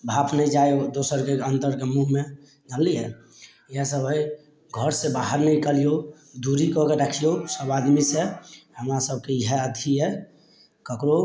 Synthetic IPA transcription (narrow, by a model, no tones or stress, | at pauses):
bʱapʰnəid͡ʒajod̪osəɾkeənt̪əɾkemuɦme | nəlːiɛ | jesəbʱəj | ɡʱəɾsebaɦəɾnəĩkəlijo | d̪uɾikɔkeɾəkʰijosəbad̪misehəmɾasəb̚keɦeəd̪ʱiɛ | kəkɾo